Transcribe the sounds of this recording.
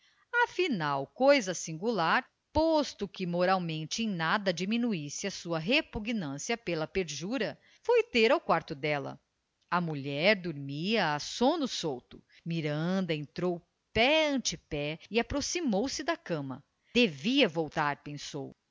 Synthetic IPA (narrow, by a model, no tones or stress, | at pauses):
ɐfinawkojzɐsĩŋɡulaɾ | post̪ʊkɪmoɾawmẽnt͡ʃɪẽj̃nad̪ɐd͡ʒimĩnuisɪɐsuɐɦepuɡnɐ̃siɐpelɐpeɾʒuɾɐ | fojt̪eɾawkwaɾt̪ʊd̪ɛlɐ̰ | ɐmuʎɛɾd̪oɾmiɐːsõnʊsowt̪ʊ | miɾɐ̃nd̪ɐẽnt̪ɾow | pɛɐ̃t͡ʃɪpɛɪapɾosimowsɪd̪ɐkɐ̃mɐ | d̪̥eviɐvowt̪aɾpẽso̰w